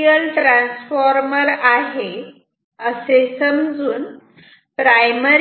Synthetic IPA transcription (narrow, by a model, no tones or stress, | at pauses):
jəlʈɾãnsfɔɾməɾaɦe | əsesəmd͡zuːn | pɾajməɾ